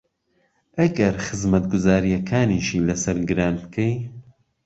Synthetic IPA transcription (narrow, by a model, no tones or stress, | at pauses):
ʔɐɡɐɾxɨzmɐt̪ɡʊzaːɾijɐkʰaːniʃiːlɐsɐɾɡɨɾaːnbkʰej